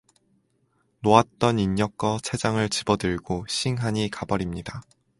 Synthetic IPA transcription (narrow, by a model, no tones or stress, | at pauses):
noat̚t͈ʌniɲɲʌk͈ʌt͡ɕʰe̞d͡ʑaŋɯɭt͡ɕibʌdɯɭɡoɕʰiŋɦaɲikabʌɾimɲida